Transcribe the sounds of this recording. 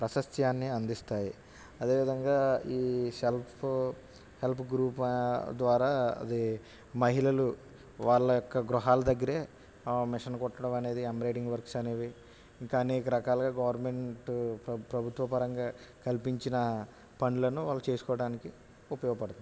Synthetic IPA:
pɾɐsɐst̪ʰjaːnːiɐnd̪ist̪aːji | ɐd̪e̞ːʋid̪ɐŋɡaːiːselpʰ | helpʰɡɾuːpd̪ʋaːɾaːɐ̰d̪i | mɐɦilɐlu | ʋaːɭːɐjɔkːɐɡɾuɦaːlɐd̪ɐɡːɐɾeː | mɪʂɐnɐkɔʈːɐɽɐmɐne̞ːd̪iemɐɾeːʈiŋɡʋɐɾksɐne̞ːʋi | iŋkɐːneːkɐɾɐkaːlɐɡaːɡɐʋɐɾme̞ɳʈpɾɐbʱut̪ʋɐpɐɾɐŋɡaːkɐlpiɲt͡ʃinɐ | pɐɳɖlɐnuʋaːɭːut͡ʃe̞ːsu̥kɔːʋɐɽaːniki | upɐjɔːɡɐpɐɽt̪un

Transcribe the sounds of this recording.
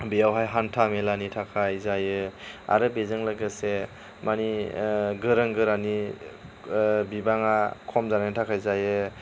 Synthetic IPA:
bijawɦajɦantʰamelanitʰakʰajzajɯa̰ɾɯbezɯŋlaɡɯse | maniɡɯɾɯŋɡɯɾani | bibaŋakʰɔmzaɾantʰakʰajzajɯ

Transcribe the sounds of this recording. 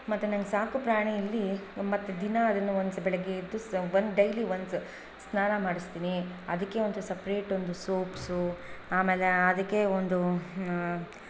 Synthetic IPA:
mɐt̪ːunɐŋɡesaːkupɾaːɳijɐlːimɐt̪ːed̪inɐɐd̪ɐnːuond̪sbɛɭɛɡeid̪ːuʋɐnd̪ɖɐjliʋɐns | snaːnɐmaːɽist̪iːniɐ̰d̪ɐkːeond̪usɐpɾeːʈond̪usoːpsuaːmeːleɐd̪ɐkːe̞ond̪u

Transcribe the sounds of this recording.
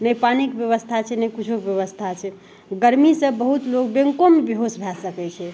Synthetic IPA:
nəjpanikbjəβəst̪ʰat͡ʃʰɛnəkut͡ʃʰokbjəβəst̪ʰat͡ʃʰɛ | ɡəɾmisəbbəɦut̪lok̚beŋkomebiɦosbʱɛsəkɛt͡ʃʰɛ

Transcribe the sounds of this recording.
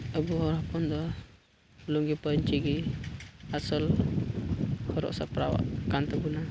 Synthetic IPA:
əbuhɔɾapɔnd̪ɔ | luŋɡipəɲt͡ʃiɡi | asɔl | hɔɾɔ̰ʔsa̰pɾa̰wa̰ʔkant̪əbuna

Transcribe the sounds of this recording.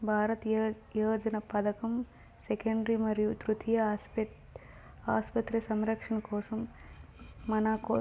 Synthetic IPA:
bʱaːɾɐt̪ | joːd͡ʒɐnɐpɐd̪ɐkɐm | sekɐɳɖɾimɐɾjut̪ɾut̪ʰijɐ | aːspɐt̪ɾɐsɐmɾɐkʂɐnɐkoːsɐmː | ɐnaːkoː

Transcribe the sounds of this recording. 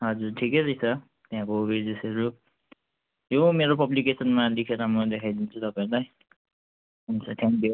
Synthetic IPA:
ɦʌd͡zurʈʰikesʌjsʰʌ | t̪jɦãkoːbid͡zesʌɾu | jomeɾopʌblikesʌnmalikʰeɾamʌd̪ekʰajd̪int͡sʰut̪ʌpãẽlaj | ɦunt͡sʰʌt̪ʰjaŋkjo

